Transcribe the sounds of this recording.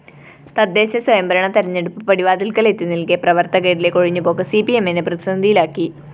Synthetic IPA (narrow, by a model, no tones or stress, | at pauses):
t̪ɐd̪ːe̞ːɕɐsɐjɐmbɐɾɐɳɐt̪ɐɾɐɲːe̞ɽupːɨpɐɽiʋaːd̪ilkɐlet̪ːinilkeprɐʋɐrt̪ɐɣeɾile̞ko̞ɻiɲːupo̞ːkːɐsipiemenɨprɐd̪isɐnid̪ʱijilaːkːi